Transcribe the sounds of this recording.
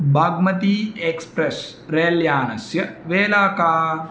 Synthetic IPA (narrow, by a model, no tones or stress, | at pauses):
bʱaːɡmɐt̪iekspɾes | ɾeːljaːnɐ̰sjɐʋeːlaːkaː